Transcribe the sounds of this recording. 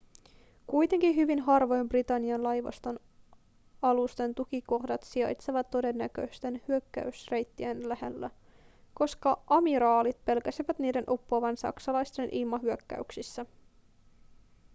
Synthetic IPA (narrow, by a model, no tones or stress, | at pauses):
kujt̪e̞ŋkiɦyʋinɦɑrʋo̞jmbrit̪ɑnːiɑnlɑjʋɑ̰st̪o̞n | ɑlust̪e̞nt̪ukiko̞hdɑt̪siɑ̰jt̪seʋɑt̪ːo̞de̞nːækø̞jst̪e̞nhyøkːæ̰ysre̞jt̪ːienlæhe̞lːæ | ko̞skɑʔɑmiɾɑːlit̪̚pe̞lkæsiʋæt̪niːde̞nʔo̞pːoʋɑnsɑ̰ksɑlɑjst̪e̞nʔilmɑɦyøkːæ̰yksisːæ